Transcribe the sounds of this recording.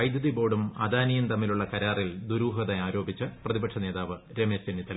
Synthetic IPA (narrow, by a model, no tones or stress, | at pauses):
ɐjd̪jɐðibo̞ːɽumad̪aːnijumt̪ɐmːiluɭːɐkɐɾaːrild̪uɾuːɦɐðejaːɾo̞ːbit͡ɕːɨprɐðibɐʈʂʰɐneːðaːʋɨ | ɾemesenːit̪ːɐ